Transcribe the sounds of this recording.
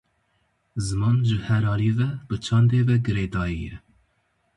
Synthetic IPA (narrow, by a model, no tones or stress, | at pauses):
zɨmɑːnʒɨhɛɾɑːliːvɛbɨt͡ʃʰɑnd̪eːvɛɡɨɾeːd̪ɑːijɛ